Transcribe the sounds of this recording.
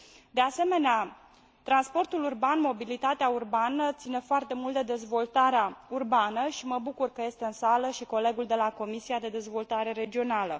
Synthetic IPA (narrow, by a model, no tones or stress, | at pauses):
d̪e̞ase̞me̞nea | t̪ɾanspo̞rt̪ulurbanmo̞bilit̪at̪eaurbanət̪sine̞foart̪e̞mult̪̚d̪e̞d̪e̞zvo̞lt̪aɾeaurbanəʃiməbukurkəje̞st̪e̞ɨnsaləʃiko̞le̞ɡuld̪e̞lako̞misiad̪e̞d̪e̞zvo̞lt̪aɾe̞ɾe̞d͡ʒio̞nalə